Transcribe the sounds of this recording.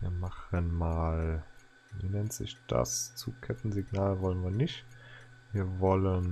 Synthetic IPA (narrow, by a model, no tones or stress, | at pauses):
viːɐmaχənmaːl | vḭːnɛntz̥ɪ̰çd̥a̰st͡sukʰɛtn̩ziɡnaːlvɔlənviːɐnɪçtviːɐvɔlən